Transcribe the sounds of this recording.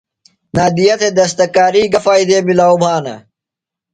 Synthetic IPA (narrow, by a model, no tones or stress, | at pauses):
naːd̪ijɐt̪ʰed̪ɐs̬t̪ɐkaːɾiːɡɐfaːid̪eːmilaːubʱaːnɐ̰